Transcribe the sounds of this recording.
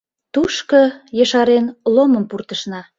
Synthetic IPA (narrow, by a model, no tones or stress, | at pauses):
t̪uʃkɤjəʃɑɾenloməmpurt̪əʃnɑ